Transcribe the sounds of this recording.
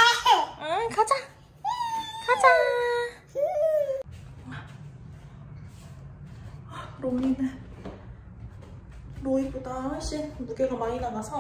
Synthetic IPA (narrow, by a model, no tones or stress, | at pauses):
ɯkad͡ʑa | kad͡ʑa | akɯɾomine | ɾoip͈udahʌɭɕ͈innuɡeɡamaɾinaŋasʰʌ